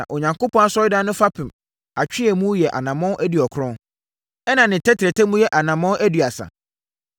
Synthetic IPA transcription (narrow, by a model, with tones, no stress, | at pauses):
ã̰˨ʔo˨ɲã˨ŋko˦pʰɔ̃˦a˦sɔ˦ɪ˦dã˦nʊ̃˦fa˦pʰɪ̃˨m | a˨t͡ɕᶣɪ˦ɛ˨mũ˦jɛ˨ʔa̰˨nã˨mɔ̃˦ʔæ˦di˨ɔ˨kʰɾɔ̃˦ | ɛ˦nã˨nɪ̃˨tʰɛ˦tʰɪ˨ɾɛ˨tʰɛ˦mũ˦jɛ˦ʔa˨nã˨mɔ̃˦ʔæ˦dɥa˨sa̰˨